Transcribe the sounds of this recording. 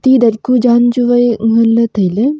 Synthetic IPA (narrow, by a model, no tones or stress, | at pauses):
t̪iːd̪ɐɾkud͡ʒaːnd͡ʒuʋɐjɦɐlːɐt̪ɐjle